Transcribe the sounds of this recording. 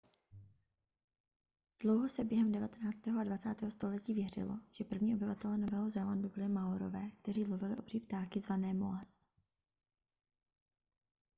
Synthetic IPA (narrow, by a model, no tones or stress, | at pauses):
d̥lo̞wɦo̞sɛbjɛɦɛmdɛvat̪ɛnaːt͡st̪ɛːɦoʔadvat͡saːt̪ɛːɦost̪o̞lɛciːvjɛr̝ɪ̰lo̰ʒ̥ɛpr̩vɲiːʔo̞bɪvat̪ɛlɛno̞vɛːɦozɛlandubɪlɪmawɾo̞̰vɛːk̚t̪ɛriːlovɪlɪʔo̞br̥iːpt̪aːkɪzvanɛːmo̰as